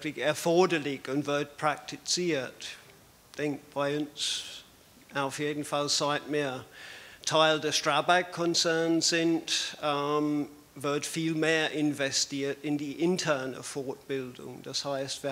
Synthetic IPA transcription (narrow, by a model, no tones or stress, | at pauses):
kliɡæɐfɔːdəlɪɡ̥ɔnvəɐd̥̚pʰɹ̥ak̚tʰisiɐd̥ | θeŋkʋɑəns | æfjeːd̥n̩falsaɪd̥̚meɐtʰaɪldəstɹabaɪkʰːɔnsæɐnsɪnd̥ | vɜɐd̥fiːlmeːɐʔɪnvɛstiɐd̥ɪndiʔɪntʰæɐnəfɔd̚b̥ɪld̥ʊŋd̥æshɑɪstʋ